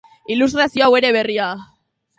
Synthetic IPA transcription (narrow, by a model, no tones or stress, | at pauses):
ilust̪ɾasio̞awe̞ɾe̞β̞e̞ria